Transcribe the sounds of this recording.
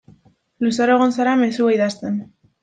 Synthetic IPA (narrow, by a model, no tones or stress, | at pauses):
lusaɾe̞ɣonsaɾame̞suaiðast̪e̞n